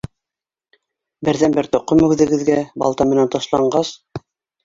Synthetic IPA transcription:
bɘ̆ɾðænbɘɾt̪ŏqːomɵ̆ɡðɘ̆ɡɘ̆ðɡæbɑ̰lˠt̪ɑmɘ̆nænt̪ŏʃlˠɑɴɢɑs

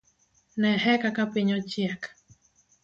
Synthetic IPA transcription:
nɛɦɛkakapiɲot͡ʃiak

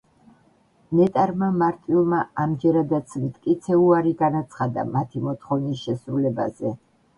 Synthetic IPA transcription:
mɛt̪ʼaɾmamaɾt̪ʼilˠmaamd͡ʒɛɾad̪at̪sʰmt̪ʰʼkʼit̪sʰɛuaɾiɡanat̪sʰχad̪a̰mat̪ʰimɔt̪ʰχɔvnisʃɛsɾulɛbazɛ

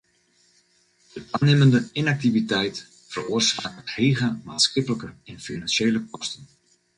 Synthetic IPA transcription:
d̥ətanɪməndəɪnak̚tivitɛjt | fəruərsa̰ːktheːɣəma̰ːtsxɪpələkəɪnfinanʃeːləkʰɔstən

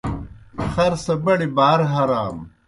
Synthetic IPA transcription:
xɐɾsɐbɐɽibaːɾɦɐɾaːm

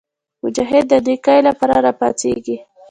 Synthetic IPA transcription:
mʊd͡ʒaɦɪd̪̚ːəd̪ikajlapɑɾaɾɑpɑ̰t͡sḛɡi

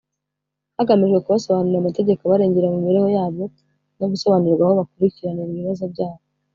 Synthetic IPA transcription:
haɡamiʒɡwe̞kuβaso̞βaniɾamate̞ɟe̞koβaɾe̞ːɲɟe̞ɾamumiɾeho̞jaːβo̞ | no̞ɡuso̞βaniɾɡwahoβakuɾiciɾaniɾβiβazo̞bɟaːβo

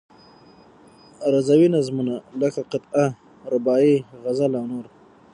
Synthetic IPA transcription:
ɾazawinazmunaləkaqɪt̪a | ɾɪbɑːiɣazalawnoɾ

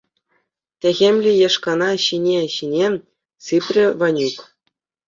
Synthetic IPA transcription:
tʲæɣʲemʲlʲijɑʂkɑnɑɕinʲeɕinʲe | sɨpʲrʲɘ̆ʋɑnʲuk

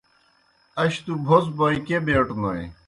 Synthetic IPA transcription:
ɐɕt̪ubʱosbɔikebeʈnoj

